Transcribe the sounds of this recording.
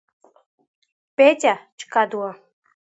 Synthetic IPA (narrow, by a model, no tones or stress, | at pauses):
petʲat͡ɕkɑd̪ua